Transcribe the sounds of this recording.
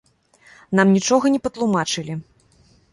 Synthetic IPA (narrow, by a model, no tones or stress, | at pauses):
n̪amnʲit͡ʂɔɣɐnʲɛpɐt̪lˠumat͡ʂɨlʲi